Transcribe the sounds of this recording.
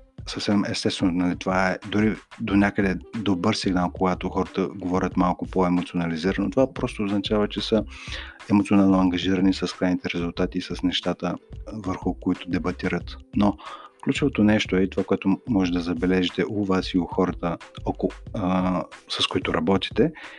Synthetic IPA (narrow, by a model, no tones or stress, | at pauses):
səfsɛmɛst̪ɛst̪vɛnonɐlit̪ovaɛd̪ʊɾid̪onʲakəd̪ɛd̪obəɾsiɡnalˠkoɡat̪oxɔɾət̪əɡovɔɾʲət̪malˠkʊpoɛmot̪sionɐliziɾənot̪ovapɾɔst̪oːznɐt͡ʃavət͡ʃɛsə | ɛmot̪sionalˠnoɐŋɡɐʒiɾɐnisɐskɾajnit̪ɛɾɛzʊlˠt̪at̪iːsəsnɛʃt̪at̪əvəɾxʊkoit̪ʊd̪ɛbɐt̪iɾət̪nofklʲut͡ʃovot̪onɛʃt̪oɛit̪ovakoɛt̪ʊmɔʒɛd̪ɐzɐbɛlɛʒit̪ɛʔʊvasiʊxɔɾət̪əɔko | sɐskoit̪ʊɾɐbɔt̪i̥t̪ɛ